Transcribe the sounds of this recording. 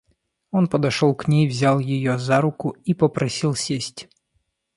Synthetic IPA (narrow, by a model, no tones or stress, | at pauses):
ɔnpɐd̪ɐʂɔlˠknʲejvzʲalˠjɪjɔzaɾʊkʊipɐpɾʔɐsʲilˠsʲesʲtʲ